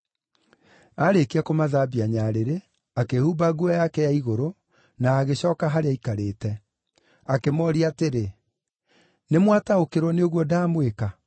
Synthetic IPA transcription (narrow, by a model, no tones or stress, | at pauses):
aɾekeakomaðaːbiaɲaːɾeɾe | akehubaɡuɔjakɛjaiɣoɾo | naːɣeɕɔːkaɦaɾeaikaɾeːtɛ | akemɔːɾiateɾe | nemwataokeɾwɔneoɣwɔdaːmweka